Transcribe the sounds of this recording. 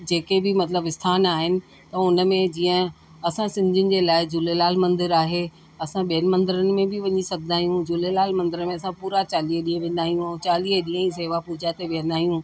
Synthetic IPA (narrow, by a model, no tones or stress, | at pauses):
d͡ʑeːkebʱɪmɐt̪ləbɪst̪ʰaːnaːɦɪnɪ̆ | t̪ɐʊnə̆mẽd͡ʑiːə̃ | ɐsãsɪ̃ɲd͡ʑɪnɪ̆d͡ʑeːlaːɪd͡ʑʊlelaːlmɐ̃nd̪ɪɾaːɦe | ɐsãɓijənɪ̆mɐ̃nd̪ɪɾənɪ̆mẽbʱɪʋɐɲisɐb̚d̪aːijũd͡ʑʊlelaːlmɐ̃nd̪ɪɾəmẽɐsãpuːɾat͡ɕaːliːəɗĩːə̃ʋẽːnd̪aːɦijũt͡ɕaːliːɦəɗĩːɦə̃ĩs̬eːʋapʊɦd͡ʑaːt̪eʋijə̃nd̪aːɦijũ